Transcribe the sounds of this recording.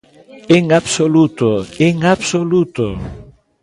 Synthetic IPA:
eŋabsolut̪oeŋabsolut̪o̰

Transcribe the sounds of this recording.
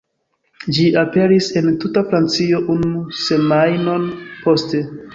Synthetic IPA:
d͡ʒiʔape̞ɾise̞ntutafɾant͡sio̞ʔunuse̞majno̞npo̞ste̞

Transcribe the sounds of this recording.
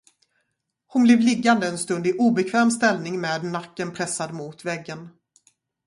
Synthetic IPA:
hʊnblɛːvlɪɡːand̪əɛnst̪ɵnd̪ɪʔuːbɛkʰvɛːmst̪ɛlnɪŋmeːd̪nakːənpʰɾɛsːad̪mʊt̪vɛɡːən

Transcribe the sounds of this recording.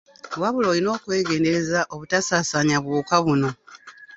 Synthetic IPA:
waβulo̞ːlino̞ːkwe̞ːɡe̞ːnde̞ezaʔo̞βutasaːsaɲaβwuːkaβuno̞

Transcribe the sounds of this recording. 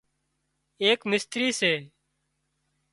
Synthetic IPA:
eːkmɪst̪ɾiːseː

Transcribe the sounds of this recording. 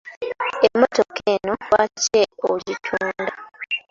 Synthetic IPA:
emːo̞tokʰeːnowaːceoɟitʰuːnda

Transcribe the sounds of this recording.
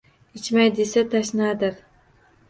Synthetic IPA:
ɪt͡ʃmajd̪esat̪ʰaʃnad̪ɪɾ

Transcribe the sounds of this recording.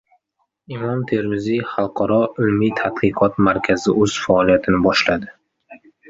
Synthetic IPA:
ɪmɒmt̪ʰeɾmɪziχalˠqʰɒɾɒʊlmit̪ʰat̪qɨqʰɒt̪maɾkʲʰazɪɵz̥faɒlijat̪ʰɪnɪbɒʃlad̪ɪ

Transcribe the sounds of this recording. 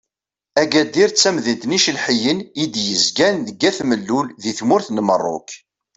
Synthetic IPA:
æɡæd̪iɾt͡sːæmðənt̪niʃəlħəjənid̪jəzɡænðəɡæθməlːulðiθmʊɾθnəmərˤːʊ̰k

